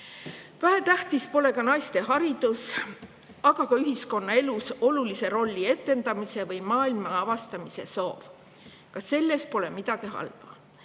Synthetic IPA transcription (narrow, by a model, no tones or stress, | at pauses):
væɦæt̪æht̪ispo̞le̞kɑnɑjst̪e̞ɦɑɾid̪̥us | ɑɡ̥ɑkɑyɦisko̞nːɑe̞luso̞lulise̞ɾo̞lʲːie̞t̪ːˑe̞nd̪̥ɑmise̞vɤjmɑːilmɑɑvɑst̪ɑmise̞so̞̰ːv | kɑsːe̞lːe̞spo̞lemid̪̥ɑɡ̥iɦɑ̰lv̥ɑ